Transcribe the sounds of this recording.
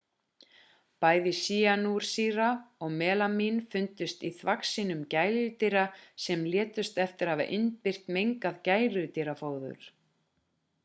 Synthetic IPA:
paːjðɪsiːanuɾ̥siːɾaɔɣmɛːlaminfʏnt̪ʏst̪iθvaksiːnʏmcaːjlʏt̪iɾasɛmljɛːt̪ʏst̪ɛft̪ɪɾ̥hava̰ʔɪnt̪pɪr̥t̪mejŋkaðcaːjɾʏt̪iɾafoːwðʏ̰ɾ̥

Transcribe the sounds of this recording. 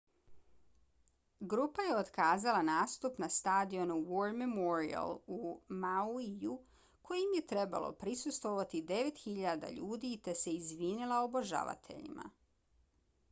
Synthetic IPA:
ɡɾupaje̞ot̪kaːzalˠanaːst̪upnast̪aːd̪io̞nuwoɾmemoɾia̰lumauiju | kʰo̞jimje̞t̪ɾe̞ba̰lˠo̞̰pɾisust̪ʋo̞ʋat̪id̪e̞ʋe̞t̪xiʎad̪a̰ʎuːd̪it̪e̞se̞izʋiːnilˠaoboʒa̰ʋa̰t̪ʰe̞̰ʎḭmʔa̰

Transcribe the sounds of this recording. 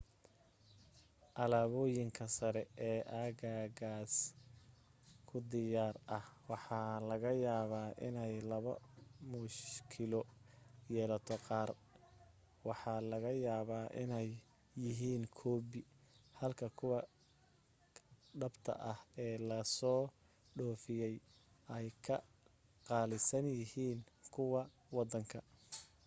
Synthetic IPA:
ʔɐlaːβɔːjɪŋkʰɐsɐɾɛɛːʔaːɣaːɣaːs | kʰʊd̪ɪjaːrʔɐhwɑħɑːlɐɣɐjaːβaːʔɪ̰nɛjlɐβɐ̰mʊʃkʰɪlɔjɛːlɐt̪ʰɔqɑːr | wɑħɑːlɐɣɐjaːβaːʔɪ̰nɛjː | ɪɦiːnkʰɔːbɪhɐlkʰɐkʰʊwɑ | ɖɐbt̪ʰɐ̰ʔɐhɛːlɐsɔː | ɖɔːfɪjɛj | ʔɛjkʰɐ | qɑːlɪsɐnjɪɦiːnkʰʊwɑ | wɑd̪ɐŋkʰɐ

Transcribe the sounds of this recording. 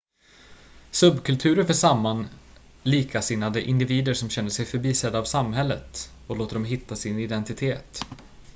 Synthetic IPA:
sɵbːkʰɵlt̪ʰʉ̟ːɾəɾfœʂamːan | liːkʰasɪnːad̪əʔɪnd̪ɪviːd̪əɾʂɔmɕɛnd̪əsɛjfœɾbiːsɛd̪ːaːvsamɦɛlːət̪ | ɔloːt̪əɖ̪ɔmɦɪt̪ʰːasɪnɪd̪ɛnt̪ɪt̪ʰeːt̪

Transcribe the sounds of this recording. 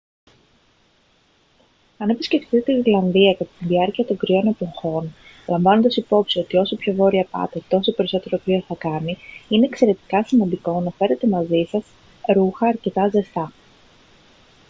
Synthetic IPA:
ɐnepisce̞ft̪it̪et̪eiɾlɐnðiɐkɐt̪ɐ̥t̪inðiɐɾciɐt̪o̞ŋɡɾio̞ne̞po̞ŋxo̞n | lɐɱvɐnond̪ɐsipo̞psio̞t̪io̞so̞pço̞vo̞ɾiɐpɐ̰t̪e̞t̪o̞so̞pe̞ɾiso̞t̪e̞ɾopɾioθɐkɐniine̞ːkse̞ɾe̞t̪i̥kɐsimɐnd̪iko̞nɐfe̞ɾe̞t̪e̞mɐzisɐs | ɾuxɐːɾce̞t̪ɐzest̪ɐ

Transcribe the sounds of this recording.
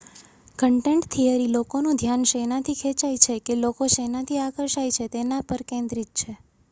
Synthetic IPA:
kəɳʈeɳʈt̪ʰijəɾilokonũd̪ʱjanʃenat̪ʰikʰet͡ʃajt͡ʃʰekelokoʃenat̪ʰiakəɾʃajt͡ʃʰet̪enapəɾkẽnd̪ɾit̪̚t͡ʃʰe

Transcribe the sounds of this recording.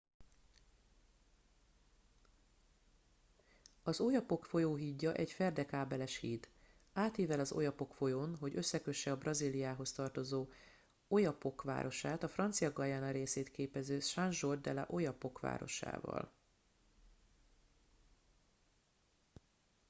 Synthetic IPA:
ɒzo̞jɒpo̞kfo̞joːɦiːɟːɒʔɛcfɛrd̪ɛkaːbɛlɛʃhiːt̪ | aːt̪iːvɛlɒzo̞̰jɒpo̞kfo̞jonɦo̞ɟø̞sːɛkø̞ʃːɛɒbrɒziːlijaːɦo̞st̪ɒrt̪o̞zoː | o̞jɒpo̞kʋa̰ːɾʔo̞ʃaːt̪ɒfrɒnt̪sijɒɡɒjaːnɒɾeːseːt̪keːpɛzøːʃanʒo̞rd̪ɛlɛ̰ʔo̞jɒpo̞kʋa̰ːɾo̞̰ʃa̰ːvɒ̰l

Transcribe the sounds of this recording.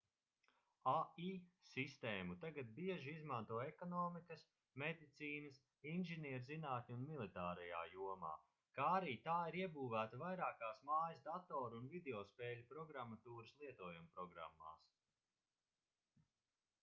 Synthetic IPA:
aiːsist̪eːmut̪aɡat̪̚biɛʒiizmant̪uɔɛkɔnɔːmikɐs | med̪it̪siːnɐs | inʲʒiniɛɾzinaːt̪ʲnʲunmilˠit̪aːɾɛja̰ːjuɔma̰ː | kaːaɾiːt̪aːiɾiɛbuːvæːt̪ɐvajɾaːkaːsmaːjɐsd̪at̪ɔːɾunvid̪eɔspɛːlʲupɾɔɡɾamːat̪uːɾɨslˠiɛt̪uɔjumpɾɔɡɾa̰mːa̰ːs

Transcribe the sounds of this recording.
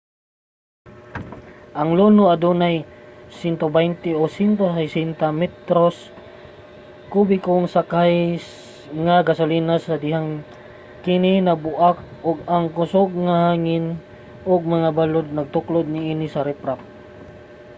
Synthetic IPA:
ʔɐŋlonoad̪onajsɪnt̪obɛjnt̪ɪosint̪osɛjsɛnt̪amɛt̪ɾos | kubɪkʊŋsakaj | ŋaɡasʊliːnasad̪ɪɦaŋ | kɪnɪnabʊʔak̚ʊɡaŋkʊsoɡ̚ŋahaːŋɪn | ʊɡ̚maŋabalod̪̚nɐɡ̚t̪ʊklod̪̚nɪiːnɪsɐɾɛpɾap̚

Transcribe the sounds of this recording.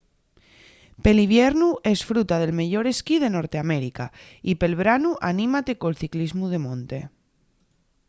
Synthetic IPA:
pe̞liβje̞ɾnue̞sfɾut̪að̞e̞lme̞ʝo̞ɾe̞skið̞e̞no̞ɾt̪eame̞ɾika | ipe̞lβ̞ɾanuʔanĩmat̪e̞ko̞lθiklizmuð̞e̞mõnt̪e̞

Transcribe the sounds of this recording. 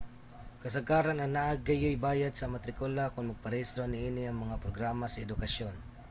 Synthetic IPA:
kɐsaɡaːɾanɐŋnaʔaɡːajojbaːjad̪̚sɐmɐt̪ɾɪkolakʊnmɐɡ̚pɐɾist̪ɾonɪʔiːnɪɐŋmɐŋapɾoɡɾaːmasɐɛd̪ʊkɐʃon

